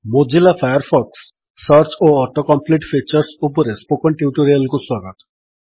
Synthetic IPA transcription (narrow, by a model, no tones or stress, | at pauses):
mod͡ʒilapʰajɔɾpʰɔksː | ʌɾt͡ʃoɔɾʈɔkɔmpliʈpʰit͡ʃɔɾsupɔɾespokɔɳʈiuʈoɾialkuswaɡɔt̪ɔ̥